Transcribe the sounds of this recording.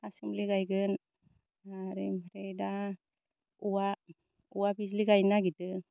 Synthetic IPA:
asɯmliɡajɡɯn | aɾimpʰɾejda | uwa | uwabis̬liɡajnaɡitɯ

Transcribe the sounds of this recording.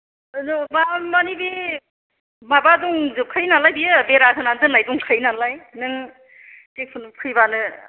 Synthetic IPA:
nmamanibi | mabadɔŋzɯkʰɯjnalajbijɯbeɾasʰɯnanzɯnlajduŋkʰɯjnalajnɯŋ | tek̚pʰɯnkʰɯjbanɯ

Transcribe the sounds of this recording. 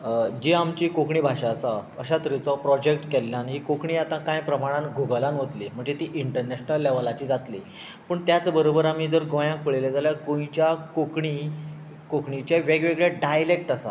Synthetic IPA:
d͡ʑiamt͡ɕiːkokɳiːbʱaʂaːsaəɕat̪əɾit͡sɔpɾɔd͡ʑek̚ʈkɛlːjanɦiːkokɳiːat̪ãkãjpɾəmaɽ̃ãnɡʱuɡəlanɦot̪lim̤əɳd͡zet̪iːʔiɳʈəɾnɛɕnəlːɛʋəlat͡ɕiːd͡zat̪li | pəːɳt̪jat͡səbəɾobəɾamiːd͡zəɾɡõjãŋk̚pəɭeled͡zaljaɡõjt͡ɕjakokɳi | kokɳit͡ɕaʋeɡʋeɡɭeɖajlek̚ʈasa

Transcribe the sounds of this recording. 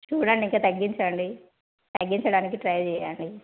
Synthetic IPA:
t͡ʃuːɽɐɳɖiŋkaːt̪ɐɡːiɲt͡ʃɐɳɖi | t̪ɐɡːiɲt͡ʃɐɽaːnikiʈɾɐjt͡ʃɛːjaːɳɖi

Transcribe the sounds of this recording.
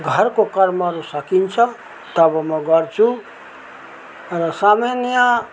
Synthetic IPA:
ɡʱʌɾkokʌɾmaɾusʌkint͡ʃʰʌ | t̪ʌbʌmʌɡʌɾt͡ʃʰu | ɾʌsamenja

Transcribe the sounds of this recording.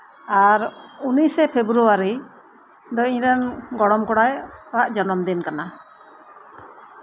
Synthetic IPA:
aɾunisɛpʰebɾuwaɾi | d̪ɔiɲɾanɡɔɽɔmkɔɽajɔaʔd͡ʒɔnɔmd̪inkana

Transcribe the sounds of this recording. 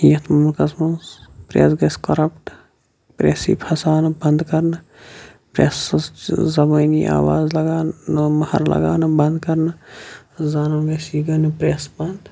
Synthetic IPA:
jɐt̪ʰmɐmlkɐsmɐnspɾḛːsɡɐskɐɾɐpʈ | pɾḛːsḭpʰhɐsaːnɨbɐnd̪kɐɾnɨ | pɾḛs | zɐbɐːniʔa̰ːwaːzlɐɡaːnmɐhɐ̰ɾlɐ̰ɡaːnɨbɐnd̪kɐɾnɨ | zaːnɐɡɐsiɡɐnɨpɾeːsbɐnd̪

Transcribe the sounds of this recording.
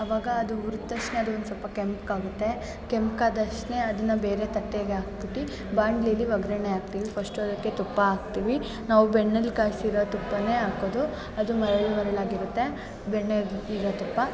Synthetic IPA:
ɐʋaːɡɐːd̪uuɾut̪ːɐʂʈne̞ɐd̪uond̪usɐlpɐkempkaːɡut̪ːe̞ | kempkaːd̪ɐʂʈne̞ɐd̪ɐnːɐbe̞ːɾet̪ɐʈːeɡeaːk̚biʈi | baːɳɖliɐlːiʋɐɡɾɐneaːɡ̚t̪iːʋipʰɐsʈud̪ɐkːe̞t̪upːɐːɡt̪iːʋi | naːʋubeɳːelkaːsiɾot̪upːɐneːaːkoːd̪u | ɐd̪umɐɾɐɭmɐɾɐɭaːɡiɾut̪ːe̞ | beɳːeliɾot̪upːɐ

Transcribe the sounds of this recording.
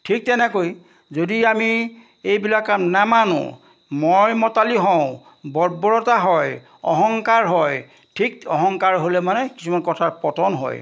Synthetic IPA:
tʰik̚tɛnɛkoj | zodiami | ejbilakːamnamanʊ̰̃ | mojmɔtaliɦɔ̃ʊ̃ | bɔɹbɔɹɔtaɦɔj | ɔ̰ɦɔŋkaɹɦɔj | tʰikɔɦɔŋkaɹɦolɛmanɛki̥sumankɔtʰaɹpɔtɔnɦɔ̰j

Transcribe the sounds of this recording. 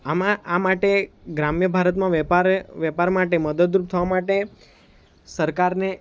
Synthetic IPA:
amãamaʈeɡɾamjəbʱaɾət̪mãʋpaɾʋjɛpaɾmaʈeməd̪əd̪ɾup̚t̪ʰəʋamaʈe | səɾkaɾne

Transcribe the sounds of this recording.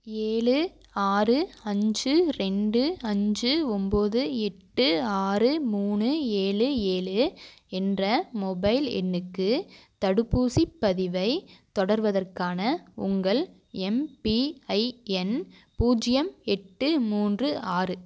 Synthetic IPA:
eːɭɯ | aːrɯɐɲd͡ʒɯɾɛɳɖɯɐɲd͡ʒɯɔmboːðɯɛʈːɯaːrɯmuːnɯeːɭɯeːɭɯ | ɛndrɐmɔbɐɪlɛ̰nːɯkːɯt̪ɐɽɯpːuːsipːɐðɪʋɐɪt̪ɔɽɐɾʋɐðɐrkaːnɐʊŋɡɐɭ | ɛmpiɐɪɛn | puːd͡ʒɪjɐmɛʈːɯmuːndrɯʔaːrɯ

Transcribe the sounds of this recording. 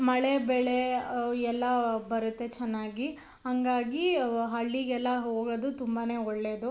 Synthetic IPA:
mɐɭebɛɭeɛlːɐbɐɾut̪ːe̞t͡ʃɛnːaːɡi | hɐŋɡaːɡiɦɐɭːiɡɛlːɐɦo̞ːɡɐd̪ut̪umbaːne̞ːɔɭːe̞ːd̪u

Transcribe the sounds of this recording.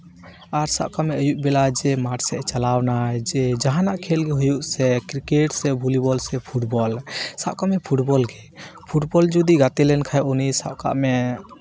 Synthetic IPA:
aɾsa̰bkamɛəjuʔ̚bɛlad͡ʒɛmaʈsɛʔt͡ʃalawnajd͡ʒɛd͡ʒaɦanaʔkʰɛlɡɛɦujuʔsɛkɾikeʈsɛbʱulibɔlsɛpʰuʈbɔlsabkamɛpʰuʈbɔlɡɛ | pʰuʈbɔld͡ʒud̪iɡat̪ɛlɛnkʰajʔunisa̰bka̰ʔmɛ

